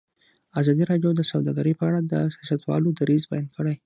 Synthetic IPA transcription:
azɑd̪iɾɑɖjod̪əsawd̪ɑɡaɾəpəaɽad̪əsjɑsat̪wɑ̰lod̪aɾizbajɑnd̪kʰəɽaj

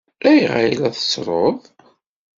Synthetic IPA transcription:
æjʁa̰ilæθə̥t͡sːɾˤoðˤ

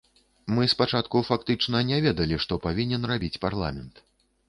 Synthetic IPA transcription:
mɨspat͡ʂat̪kufakt̪ɨt͡ʂnɐnʲɛvʲɛd̪ɐlʲiʂt̪ɔpavʲinʲɛnrabʲit͡sʲparlˠa̰mʲɛnt̪

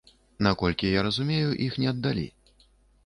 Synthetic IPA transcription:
nakɔlʲkʲijaɾɐzumʲejuʔixnʲɛɐd̪ːalʲḭ

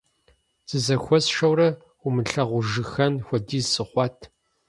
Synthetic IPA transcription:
z̥ɨzɐxʷɔsʂɐwrɐ | ʊmɨɬɐʁʷʊʒɨxɐnxʷɔdiːzsɨχʷɑːtʰ

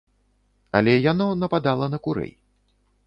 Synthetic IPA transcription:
ɐ̰lʲɛjanɔnɐpad̪alˠɐnɐkuɾɛ̰j

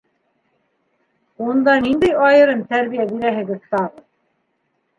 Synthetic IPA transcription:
und̪ɑnind̪æjɑjɤ̆ɾɤmt̪æɾβijæbiɾæɦɘ̆ɡɘ̆zt̪ɑʁɤð

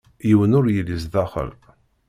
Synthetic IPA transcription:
jiwənʊɾjəlːizðɑχə̰l

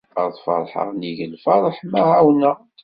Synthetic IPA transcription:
ə̰ɾˤθˤfɑ̰ɾˤħə̰ʁniʝəlfɑɾˤəħmæʕawnə

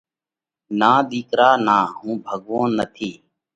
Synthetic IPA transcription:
naːɗ̪iːkɾaːnaːɦũːbʱəɠʋõːnːət̪ʰiː

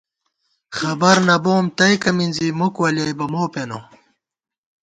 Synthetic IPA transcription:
xɐbɐɾnɐboːmt̪ɐjkɐminzimukwɐljɐjbɐmoːpeno̰

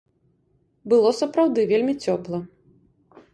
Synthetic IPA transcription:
bɨlˠɔsɐpɾawd̪ɨvʲelʲmʲit͡sʲɔplˠɐ

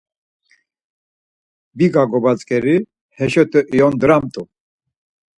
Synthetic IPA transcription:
biɡaɡɔbat͡skʼɛɾi | hɛʃɔt̪ʼəʔijɔnd̪ɾamt̪ʼu

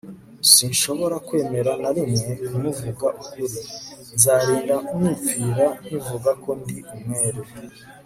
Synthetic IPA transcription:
sinʃo̞βo̞ɾakwe̞ːme̞ɾanaɾimŋeumuvuɡaʔukuɾinzaɾiːndamipiːɾanivuɡako̞ndiumŋe̞ːɾe

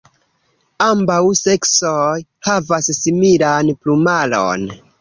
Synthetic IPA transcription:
ambawse̞ksojhavasːimilanplumalo̰n

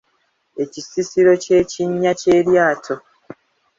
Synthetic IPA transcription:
e̞cisisiɾo̞ce̞ːciɲːace̞ːɾjaːtʰo̞

